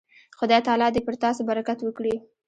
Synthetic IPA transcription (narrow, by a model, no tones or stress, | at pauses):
xod̪ɑjt̪ɑlɑd̪epəɾt̪ɑsobaɾakat̪wəkɽi